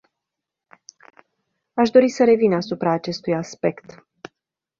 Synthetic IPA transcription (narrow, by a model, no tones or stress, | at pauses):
aʃd̪o̞ɾisəɾe̞vinasupɾaːt͡ʃe̞st̪ujaspe̞kt̪